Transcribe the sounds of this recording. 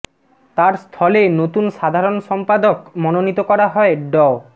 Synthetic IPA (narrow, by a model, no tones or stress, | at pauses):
t̪aɾst̪ʰɔlenot̪unʃad̪ʱaɾonʃɔmpad̪okmɔnonit̪okɔɾaɦɔeɖɔ